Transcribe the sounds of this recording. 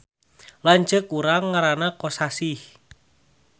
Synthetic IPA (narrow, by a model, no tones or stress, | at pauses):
laɲt͡ʃəkuɾaŋːaɾanakɔsasih